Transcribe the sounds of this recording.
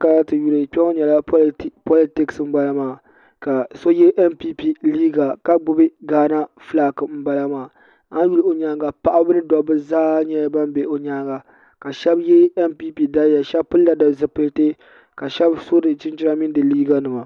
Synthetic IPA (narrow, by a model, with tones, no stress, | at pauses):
ka˨la˦tɨ˨ju˦lɨ˨k͡pʲɛ˦ŋo˦ɲɛ˨la˦po˦li˦tɪ˦ksm̩˦ba˦la˦maː˨ | ka˨so˦jɛ˦ʔɛ˦npi˦pi˦liː˦ɡa˨ka˦ɡ͡bʊ˦bɨ˦ɡaː˦na˦flaː˦˨kɨ˨m̩˦ba˦la˦maː˨ | a˦n˦ju˦lɨ˦˨o˨ɲaː˦ɡa˨pa˦ʔa˦bɨ˦nɨ˦dɔ˨bɨ˦zaː˦ɲɛ˦ba˦m˦be˨o˨ɲaː˦ɡa˨ | ka˨ʃɛ˦bjɛ˦ɛ˦mpi˦pi˦da˦ja˨ʃɛ˦bpɨ˦lːa˦da˨zɨ˦pɨ˦lte˦ | ka˨ʃɛ˦bso˦dɨ˨t͡ʃɪ˦nt͡ʃɪ˦ɾa˦mɪ˦n˦dɨ˨liː˦ɡa˦nɨ˨ma˨